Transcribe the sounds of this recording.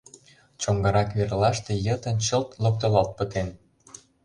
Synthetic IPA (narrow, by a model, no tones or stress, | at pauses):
t͡ɕoŋɡɑɾɑkβerlɑʃt̪ejə̆t̪ə̆nt͡ɕəlt̪lok̚t̪olɑlt̪̚pə̆t̪en